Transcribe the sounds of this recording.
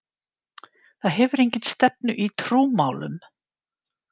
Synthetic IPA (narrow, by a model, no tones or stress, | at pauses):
θaðɦɛvʏɾejɲcɪnst̪ɛp̚nʏʔit̪ʰɾuːmaːwlʏ̰m